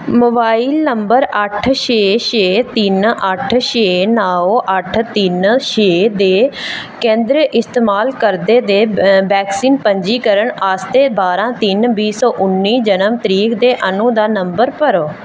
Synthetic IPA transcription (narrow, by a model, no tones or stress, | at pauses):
mʊbaːiːlnəmbəɾəʈʰʃeːʃeːt̪ɪnəʈʰʃeːnaːoʔəʈʰt̪ɪnʃeːd̪eː | kẽːnd̪ɾʔɪst̪eːmaːlkəɾd̪eːd̪eːbɛːksiːnpəɲd͡ʒiːkəɾəɳaːst̪eːbaːɾãːt̪ɪnbiːsɔːʔʊnːiːd͡ʒənəmt̪əɾiːkd̪eːʔənũːd̪aːnəmbəɾpəɾoː